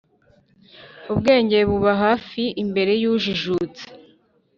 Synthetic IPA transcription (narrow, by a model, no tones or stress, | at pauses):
ubɡe̞ːɲɟeβuβaɦaːfiimbe̞ɾe̞juʒiʒut͡se̥